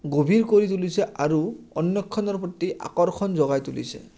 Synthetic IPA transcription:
ɡobʱiɹkoɹit̪ulisɛʔaɹuɔnjɔkʰːɔnɔɹpɔt̪ːiʔa̰kɔɾkʰɔnzɔɡajt̪ulḭsɛ̰

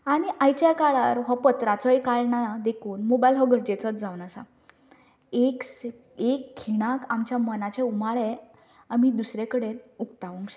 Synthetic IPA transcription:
aɽ̃iʔajt͡ɕakaɭaɾɦɔpət̪ɾat͡sɔjkaɭɳaad̪ekʰuːnmobajlɦɔɡʱəɾd͡ʑet͡sət͡sd͡zawnasa̰ | eks | ekʰːiɽ̃akamt͡ɕjamənat͡ɕeumaɭe | amid̪usɾekəɽenukt̪aʋũŋkɕe

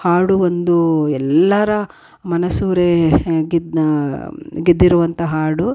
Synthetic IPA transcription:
haːɽuʋond̪uɛlːɐɾɐ | mɐnɐsuːɾeɡi | ɡid̪ːiɾuʋɐnt̪ɐɦaːɽu

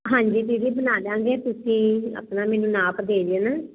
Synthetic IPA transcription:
ɦãːɲd͡ʒiːt̪iɾiːbənaːlãːŋɡeːt̪ʊsĩːə̰pnãːmɛːnũːnaːpd̪eːd͡ʒeːnaː

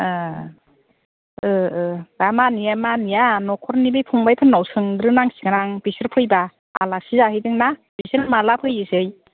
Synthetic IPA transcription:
ɯ | ɯɯdamanijamanijanɔkʰɔɾnibɯpʰuŋbajpʰɯnːawsɯŋɡɾɯnaŋsi̥ɡanaŋb̥isɯɾpʰɯjba | a̰lasizahɯjdɯŋnabisɯɾmalapʰɯjɯsɯj

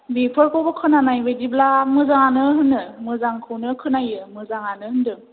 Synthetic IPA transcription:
bipʰɯɾkʰowbɯkʰɯnanajbediblamɯzaŋanɯɦɯndɯmɯzaŋkʰɯwnɯkʰɯnajɯmɯzaŋanɯhɯndɯ

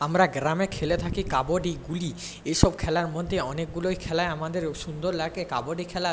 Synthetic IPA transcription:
amɾaɡɾamekʰelet̪ʰakikaboɖiɡuli | ejʃɔb̚kʰɛlaɾmod̪ʱːeɔnek̚ɡulojkʰɛlaeamad̪eɾʃund̪oɾlaɡekaboɖikʰɛla

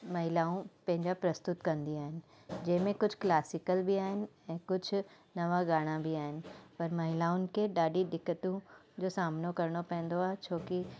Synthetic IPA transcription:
mɐɦɪlaːũpɐ̃ɦɪ̃ɲd͡ʑapɾɐst̪ʊt̪kɐ̃nd̪iaːɦɪnɪ̆ | d͡ʑɐ̃ɦɪ̃mẽkʊd͡ʑʱklaːsɪkəlbiaːɦɪnɪ̆ɛ̃ːkʊd͡ʑʱʊ | nɐʋaɡaːɽ̃abiaːɦɪnɪ̆pɐɾmɐɦɪlaːʊnɪ̆kʰeɗaːɗiɗɪkət̪ũd͡ʑoːsaːmnokɐɾɽ̃opɛ̃ɦɪ̃n̆d̪oaːɦet͡ɕʰoːki

